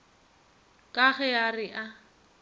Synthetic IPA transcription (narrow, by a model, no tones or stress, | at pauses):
kʼaɣɛjarɪʔa